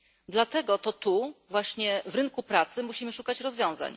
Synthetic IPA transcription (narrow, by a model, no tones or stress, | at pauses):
d̪lat̪ɛɡɔt̪ɔt̪uvwaɕɲɛvɾɘŋkupɾat̪sɘmuɕimɘʂukat͡ɕɾɔzvjɔ̃w̃za̰ɲ